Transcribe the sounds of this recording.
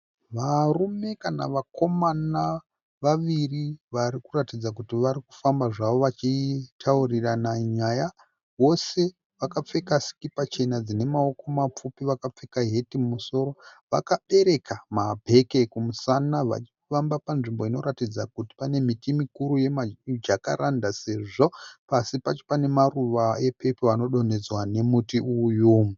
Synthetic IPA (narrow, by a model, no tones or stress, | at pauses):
ʋarume̞kana̰ʋakʰo̞mana | ʋaʋiriʋaɾikuratid͡zakutiʋaɾiku̥fambaʐaʋo̞ʋat͡ʃitʰauriranaɲaja | wo̞se̞ | ʋakap͡fe̞kasi̥kipat͡ʃe̞nad͡zine̞mao̞ko̞map͡fupiʋakap͡fe̞kaɦe̞timumuso̞ɾo̞ʋa̰kaɓe̞ɾe̞kʰamabʱe̞ke̞kumusanaʋa̰t͡ʃifambapanʐimbo̞ino̞ɾatid͡zakuti̥pane̞mitimikuɾuje̞mad͡ʒaka̰ɾandase̞ʐo̞pasipat͡ʃe̥pane̞maruʋae̞pʰe̞poano̞ɗo̞ne̞d͡zwane̞mutiujuːmu